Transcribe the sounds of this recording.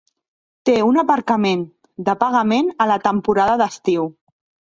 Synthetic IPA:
t̪eunəpəɾkəmen | d̪əpaɣəmenələt̪əmpuɾaðəðəst̪iw

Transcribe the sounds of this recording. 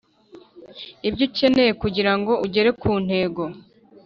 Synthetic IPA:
ibɟoce̞ne̞jekuɟiɾaŋɡo̞ʔuɟe̞ɾe̞kʰuːn̥he̞ːɡo̞

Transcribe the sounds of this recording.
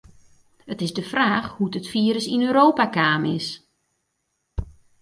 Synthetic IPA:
ətɪzdəfraːxhudətfiːəɾəsinøːɾoːpakaːmɪs

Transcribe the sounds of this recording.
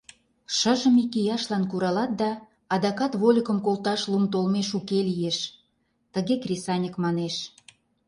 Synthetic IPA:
ʃəʒə̆mikijɑʃlɑnkuɾɑlɑt̪̚d̪ɑː | d̪ɑkɑt̪βolʲəkə̆mkolˠt̪ɑʃlumt̪olmeʃukelijeʃ | t̪əɣekrʲesɑnʲəkmɑneʃ

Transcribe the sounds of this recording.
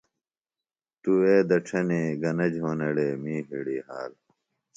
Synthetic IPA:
t̪ueːd̪ɐʈ͡ʂʰɐniɡɐnɐd͡ʑɦoːnɐɽeːmiːɦḭɽiːha̰ːl

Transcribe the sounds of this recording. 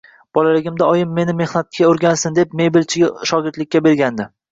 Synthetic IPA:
b̥ɒlalɪɡʲɪmd̪aɒjɪmːe̞nɪme̞hnat̪̚kʲʰaoɾɡʲansɪnd̪e̞p̚me̞bɪlt͡ʃʰɪɡʲaʃɒɡʲɪɾt̪lɪkʲːabe̞ɾɡʲand̪ɪ

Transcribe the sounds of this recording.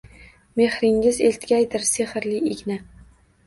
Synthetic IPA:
me̞hɾɪŋɪzelt̪ɡʲajd̪ɪɾsehɪɾlɪɪɡʲna

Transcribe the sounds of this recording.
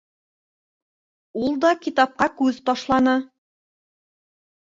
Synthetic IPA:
ulˠd̪ɑkʲit̪ɑp̚qɑkʉðt̪ɒʃlˠɑnɤ

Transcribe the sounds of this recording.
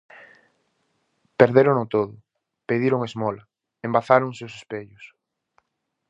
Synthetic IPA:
peɾðeɾonʊt̪oðʊ | peðiɾʊŋezmɔlɐ | embaθaɾʊŋsewsospeʎʊs

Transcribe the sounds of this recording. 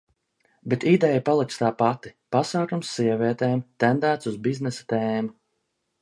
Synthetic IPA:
bet̪id̪ɛjapalˠiktst̪aːpat̪i̥pasaːkumsːiɛviɛt̪eːmt̪ɛnd̪æːt̪suzbiznɛsḁt̪eːmu

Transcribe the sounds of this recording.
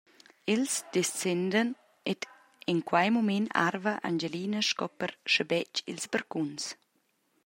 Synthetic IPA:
ilsd̪ɛst͡sɛnd̪ən | et̪ | iŋkwajmumɛna̰ɾvəʔa̰nd͡ʒeliːnəʃkɔpəɾʃəbɛt͡ʃḭlzbəɾkuns

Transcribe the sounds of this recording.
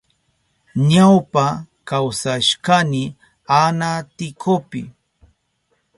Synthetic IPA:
ɲawpa | kawsaʃkanɪ | anat̪ɪkʰopɪ̰

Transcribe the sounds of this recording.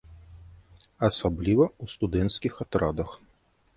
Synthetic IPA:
ɐsablʲivɐust̪ud̪ɛnt̪skʲixat̪ɾad̪ɐx

